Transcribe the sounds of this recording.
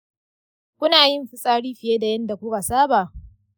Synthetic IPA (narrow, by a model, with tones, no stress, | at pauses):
kʷʊ˦naː˨jɪ˦mɸɪ˦sʼaː˦ɽiː˦ɸɪ˨jeː˦da˨jɐ˦nda˨kʷʊ˦ka˨saː˦baː˨ʔ